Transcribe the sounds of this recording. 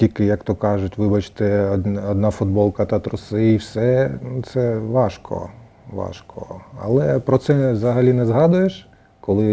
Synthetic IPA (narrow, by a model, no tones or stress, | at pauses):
tʲilʲkɪjɐkt̪ɔkɑʒʊtʲʋɪbɐt͡ʃt̪ɛɔd̪nɑfʊd̪̚bɔlˠkɐt̪ɐt̪ɾʊsɪiwsɛnt̪sɛʋɑʃkɔ̰ | ʋɑ̰ʃkɔ̰ɐlˠɛpɾɔt̪sɛʋzɐɦɐlʲinɛzɦɑd̪ʊjeʃ | kɔlˠɪ